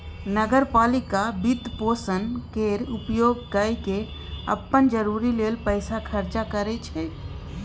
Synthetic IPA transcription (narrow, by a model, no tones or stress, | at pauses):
nəɡəɾpaːlɪkabid̪poːsənkeɾupjoːɡkəjke | ə̰pːənd͡ʒəɾuɾileːlpəɪsakʰəɾt͡ʃakəɾet͡ʃʰɛ